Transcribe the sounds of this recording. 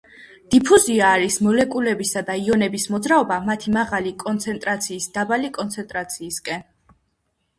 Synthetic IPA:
d̪̥ipʰuziaːɾismɔlɛkʼulɛbisad̪aiɔnɛbismɔd̪zɾaɔbamat̪ʰimaʁalikʼɔnt̪sʰɛnt̪ʼɾat̪sʰiːsd̪̥abalikʼɔnt̪sʰɛnt̪ʼɾat̪sʰiːskʼɛn

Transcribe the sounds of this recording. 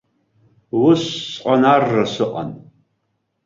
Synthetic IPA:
wʊɕːʼqʼanarːɐsɨqʼa̰n

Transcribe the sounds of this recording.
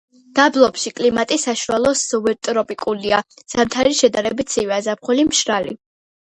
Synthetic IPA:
d̪̥ablˠɔpʃikʼlimat̪ʼisaʃualˠɔsɔvɛɾt̪ʼɾɔpʼikʼuliaz̥amt̪ʰaɾiʃɛd̪aɾɛbit̪sʰivazapχɔlimʃɾalḭ

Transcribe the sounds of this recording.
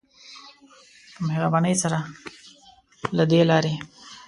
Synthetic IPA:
maɦeɾabaːnəjsaɾa | lad̪elaːɾi

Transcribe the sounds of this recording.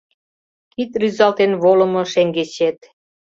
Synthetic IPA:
kit̪ryzɑlt̪enβolə̆mɤ̆ʃeŋɡet͡ɕet̪̚

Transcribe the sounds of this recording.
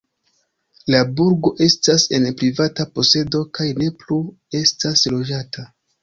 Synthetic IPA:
labuɾɡo̞ʔe̞stase̞npɾivatapo̞se̞do̞kajne̞plu | e̞staslo̞d͡ʒata

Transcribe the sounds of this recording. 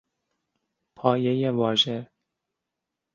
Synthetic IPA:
pʰɒːjejevɒːʒe

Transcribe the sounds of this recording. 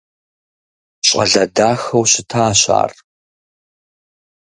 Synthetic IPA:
ɕʼɐɮɐdaːxɐwɕɪtʰaːɕa̰ːr

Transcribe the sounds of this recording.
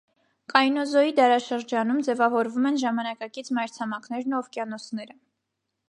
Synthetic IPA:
kɑjnɔzɔid̪ɑɾɑʃəɾd͡ʒɑnumd͡zɛvɑvɔɾvumɛnʒɑmɑnɑkɑkit͡sʰmɑjɾt͡sʰɑmɑkʰnɛɾnuɔvkjɑnɔsʰnɛɾə

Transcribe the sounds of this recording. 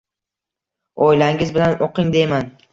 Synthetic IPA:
ɒjlaŋɪzbɪlanoqɪŋd̪e̞jman

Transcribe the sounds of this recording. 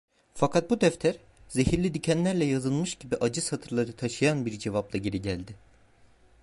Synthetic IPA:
fakʰat̪̚bud̪æft̪ʰæɾ̥ | ze̞ɦiɾlʲid̪ycʰænlʲæɾlʲɛjazɯlˠmɯʃɟibiʔad͡ʒɯshat̪ʰɯɾlˠaɾɯt̪ʰaʃɯjanbiɾd͡ʒe̞vaplˠaɟe̞ɾiɟælʲd̪ɪ

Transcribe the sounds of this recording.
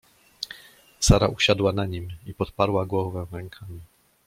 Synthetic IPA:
saɾaʔuɕad̪wanaɲimipɔt̪̚paɾwaɡwɔvɛ̃ɾɛŋkʰamʲi

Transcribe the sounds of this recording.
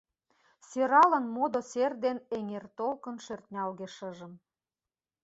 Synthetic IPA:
seɾɑlənmod̪oserd̪eneŋert̪olkə̆nʃørt̪ʲnʲɑlɣeʃɤʒə̆m

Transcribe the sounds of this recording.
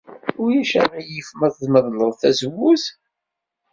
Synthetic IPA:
ʊɾjæʃæɾajəfməðˤðməðˤləðˤθæzəwːuθ

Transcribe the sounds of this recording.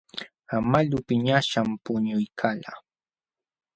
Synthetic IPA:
amaʎʊpɪɲaʃampʊɲʊjkʰala

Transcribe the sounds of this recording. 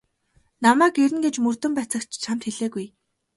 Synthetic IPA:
namæːkeɾɘ̆nɡet͡ɕmɵr̥t̪ɵ̆mpæt͡sə̆kt͡ɕt͡ɕʰam̥t̪xeɮeːɡuj

